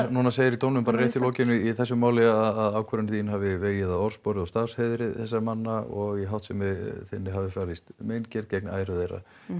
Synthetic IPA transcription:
nuːnaseːjɪɾit̪ownʏmpaɾaɾjɛht̪ɪlɔːcɪnʏiθɛsːʏmaːwlɪaðaðaːwkʰvœɾʏnθiːnhavɪveːjɪðaðɔɾ̥spɔɾɪðɔst̪ashɛðɾɪθɛsːamanːaɔɣiɦawht̪sɛmɪθɪnːɪɦavɪfjaːlɪst̪meːjncɛɾ̥t̪̚cejk̚na̰ːjɾʏðejra̰

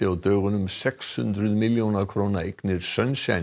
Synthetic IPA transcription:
ɪawt̪œːɣʏnʏmsɛkshʏ̰nt̪ɾʏðmɪljownakʰɾoːnaeknɪɾ̥sœnsja̰

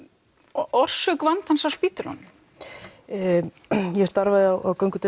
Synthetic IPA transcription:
ʔɔr̥sœkvant̪hansawspiːt̪ɪɾɔ̰nʏ | jɛst̪aɾvaðɪawʔawkœwŋkʏt̪

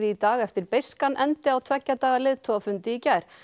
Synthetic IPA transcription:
ðɪit̪aːɣɛft̪ɪɾpejskanʔɛnt̪ɪawt̪ʰvɛcːat̪aːɣalɪðt̪ʰɔafʏnt̪ɪicɛɾ̥

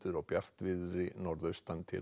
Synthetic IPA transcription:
t̪ʏɾawpjar̥t̪vɪðɾɪnɔɾðœɥst̪ant̪ʰɪ̰l

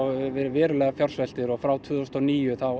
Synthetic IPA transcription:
ɛɾvɛːɾʏlɛɣafjɔɾ̥svɛl̥t̪ɪɾɔɣfɾawt̪ʰʏːðɔst̪ɔniːjʏθaw

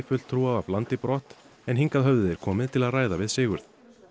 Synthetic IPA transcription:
fʏl̥t̪ʰːɾuːavavlant̪ɪpɾɔːht̪ | ɛnɦiŋkaðɦœvðɪðɛɾ̥kʰɔːmɪðt̪ʰɪlaðraːjðavɪðsɪːɣʏɾ̥ð

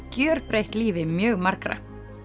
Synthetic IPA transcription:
cjœːɾ̥pɾejht̪liːvɪmjœːɣmaɾ̥kɾa̰

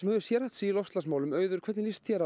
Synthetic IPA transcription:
mɛðɪ̥sjɛɾaht̪siːlɔfst̪lasmaːwlʏmœːɥðʏɾ̥kʰvɛt̪nlist̪θjɛɾa

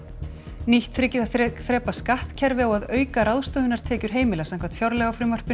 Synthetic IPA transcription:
niht̪fɾɪcɪθaθɾɛːpaskaht̪cʰɛɾvɪawaðœːɥkaɾawðst̪oːvɪnaɾt̪ʰɛːcʏɾ̥ɦeːjmɪlasãnŋkʰvat̪fjaɾlɛɣafɾɪmœr̥pɪ

